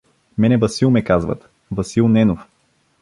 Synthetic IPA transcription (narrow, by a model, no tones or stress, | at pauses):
mɛnɛvɐsilˠmɛkazvə̰t̪ | vɐsilˠnɛnof